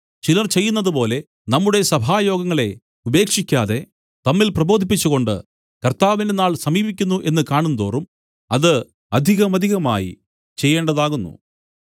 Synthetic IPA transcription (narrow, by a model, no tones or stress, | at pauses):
t͡ɕilɐrt͡ɕe̞jːunːɐðupo̞ːle̞ | nɐmːuɽe̞sɐbʱaːjo̞ːɡɐŋːɐɭe̞ | ube̞ːkʂikʲːaːðe̞ | t̪ɐmːilprɐbo̞ːd̪ʱipːit͡ɕːuɣo̞ɳɖɨ̰ | kɐrt̪aːʋindenaːɭsɐmiːbik̬ʲːunːuʔe̞nːɨkaːɳunːɐd̪oːrum | ɐðɨ | ɐd̪ʱiɣɐmɐd̪ʱiɣɐma̰ːjḭ | t͡ɕe̞jːeːɳɖɐðaːɣunːṵ